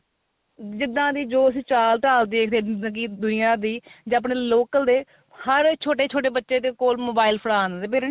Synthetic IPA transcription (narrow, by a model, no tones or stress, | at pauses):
d͡ʒɪd̪ãːd̪iːd͡ʒoːəsĩːt͡ʃaːlʈaːld̪eeːkʰd̪ẽːkiːd̪ʊnɪjãːd̪iːd͡ʒaːp̬ɳeːloːkəld̪eː | həɾt͡ʃʰoːʈeːt͡ʃʰoːʈeːbətːʃeːt̪eːkoːlmoːbaːɪlpʰəɽaːnd̪t̪eːpʰɪɾn